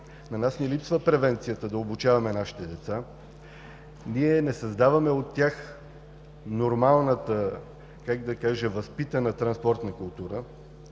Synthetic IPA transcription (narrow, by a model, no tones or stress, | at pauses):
nɐnasnɛlipsvəpɾɛvɛnt̪sijət̪əd̪ɐobut͡ʃavɐmɛnaʃi̥t̪ɛd̪ɛt̪sa | niɛnɛsɐzd̪avɐmɛot̪ːʲax | noɾmalˠnət̪ə | kaɡd̪ɐkaʒɛvɐspit̪ənət̪ɾɐnspɔɾt̪nəkʊlˠt̪uɾə